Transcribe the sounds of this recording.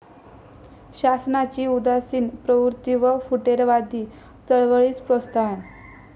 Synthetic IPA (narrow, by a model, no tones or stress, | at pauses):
ɕasnat͡ɕiːud̪asiːnpɾəʋuɾt̪iʋəfuʈeɾʋad̪ʱiː | t͡səɭʋəɭiːt͡spɾɔst̪ʰaan